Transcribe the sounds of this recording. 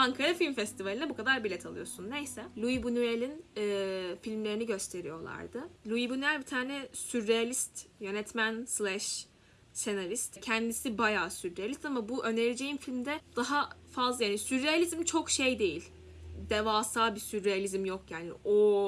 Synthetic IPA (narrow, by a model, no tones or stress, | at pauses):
aŋkʰaɾafilʲmfɛst̪ʰivalʲinɛbukʰad̪aɾbilʲɛt̪ʰalˠɯ̰jo̞sunːe̞jsɛlʲuibunyelʲinɛfilʲmlʲe̞ɾiniɟø̞st̪ʰe̞ɾḭjo̞lˠa̰ɾd̪ɯlʲˠuibunyɛlʲbit̪ʰaːnɛsyɾːealʲist̪jø̞nɛt̪mænslʲˠæʃ | senaɾist̪cʰɛnd̪isibajaːsyɾːealʲist̪amabuʔø̞neɾʲed͡ʒe̞jimfilʲmd̪ɛd̪̥aɦafazlˠajaːnisyɾːealʲizmt͡ʃʰo̞kʃejd̪e̞jilʲ | d̪evaːsaːbisyɾːejalʲizmjokjaːnḭʔo